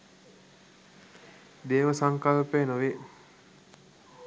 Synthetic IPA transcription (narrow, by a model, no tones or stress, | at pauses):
d̪eːʋəsaŋkalpenoʋe